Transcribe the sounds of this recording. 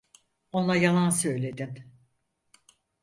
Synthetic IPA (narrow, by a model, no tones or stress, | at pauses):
o̞nlˠajalˠansø̞jlʲe̞d̪im